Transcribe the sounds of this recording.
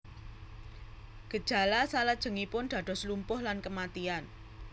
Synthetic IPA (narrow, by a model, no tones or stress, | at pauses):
ɡ̥ə̤d̥ʒ̥a̤lasaləd̥ʒ̥ə̤ŋipʊnd̪̥ä̤d̪̥ɔ̤slumpʊhlankəmat̪ian